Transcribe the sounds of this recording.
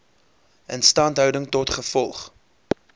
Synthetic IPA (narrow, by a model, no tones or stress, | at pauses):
ənstɑːntɦœwdəŋtɔtχəfɔlˠχ